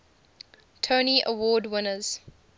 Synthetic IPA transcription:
tʰoːniʔə̰wɔːdwɪnəz̥

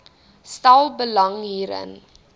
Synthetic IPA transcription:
stɐlˠbəlɐŋɦiːɾə̰n

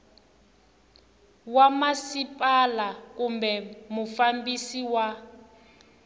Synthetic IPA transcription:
wamasipʼalakumbɛmufambisiwa

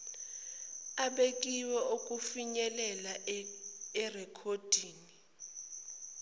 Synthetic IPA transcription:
aɓek̬ʼiwɛokʼufiɲɛlɛla | ɛrɛkʰod̥ʱiːni

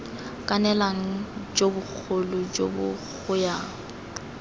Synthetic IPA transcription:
kʼanɛlaŋ̩d͡ʒobʊk͡xʰʊlʊd͡ʒo̰bʊ̰k͡xʰʊjaŋ̩

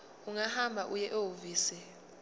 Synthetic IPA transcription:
uŋahambʱaʔujɛʔowuviːsɛ

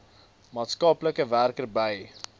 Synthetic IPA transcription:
mɑːtskɐpləkəværkərbəj

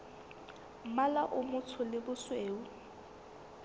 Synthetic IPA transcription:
malaʔʊmʊt͡sʰʊlɪbʊsweːu

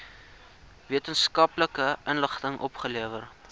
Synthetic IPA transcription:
viətənskɐpləkəʔənləχtəŋʔɔpχəliəvər

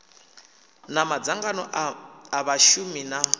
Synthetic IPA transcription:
namad͡zaŋɡanɔaβaʃumina

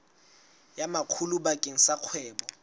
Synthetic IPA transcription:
jamakʰulubakʼeŋ̩saq͡χʰwɛːbɔ

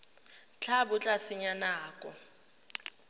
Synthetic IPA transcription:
t͡ɬʰabʊt͡ɬʼasɪɲanaːkʼɔ

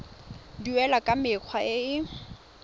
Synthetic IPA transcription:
diwɛlakʼamɪk͡xʰwaɪɪ

